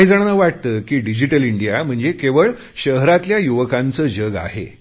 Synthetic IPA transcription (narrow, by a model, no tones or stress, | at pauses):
id͡zaɽnəʋaʈ̚t̪əːkiːɖid͡ʑiʈəliɳɖijam̤əɳd͡zekeʋəɭ | ɕəɦɾat̪ljajuʋəkant͡səːd͡ʑəɡa̰ɦḛ